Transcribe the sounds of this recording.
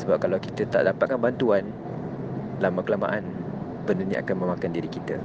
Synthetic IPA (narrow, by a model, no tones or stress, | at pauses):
səbap̚kalawkit̪ət̪a̰ʔdapat̪̚kanbant̪uan | lamakəlamã̰ʔan | bəndənĩʔa̰kanmə̃mãkandiɾikit̪ə̰